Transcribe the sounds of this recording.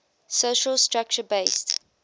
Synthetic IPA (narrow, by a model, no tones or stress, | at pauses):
soʃəlstɹak̚t͡ʃəbeɪst